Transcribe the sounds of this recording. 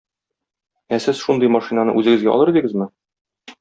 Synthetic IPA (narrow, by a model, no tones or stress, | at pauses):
æsɘzʃund̪ɤjmɒʃinanɤ̰ʔʉzɘ̆ɡɘ̆zɡæɒ̰lˠɤɾd̪iɡɘzmɘ